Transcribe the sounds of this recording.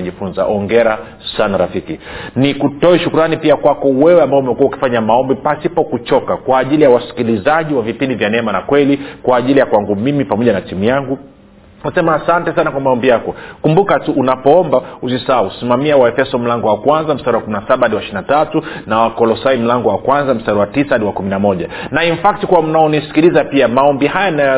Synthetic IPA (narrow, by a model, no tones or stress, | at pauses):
ʄifunza̰ʔɔŋɡɛɾa | sanaɾafikinikutɔɛʃukuɾanipiakwakɔwɛwɛambaɔumɛkuwauki̥faɲamaɔmbipasipɔkut͡ʃɔkakwaːʄilijawasi̥kilizaʄiwavipindivjanɛɛmanakwɛlikwaːʄilijakwaŋɡumimipamɔʄanatimujaŋɡu | nasɛmaːsantɛsanakwamaɔmbijakɔkumbukatuʔunapɔɔmbausisausimamiawaɛfɛsɔm̩laŋɡɔwakwanzam̩staɾiwakuminasaɓaadiwaʃinatatunawakɔlɔsaim̩laŋɡɔwakwanzam̩staɾwatisaaɗiwakuminamɔʄanaiɱfak̚tikuwam̩naɔnisi̥kilizapiamaɔmbiɦajanajɔ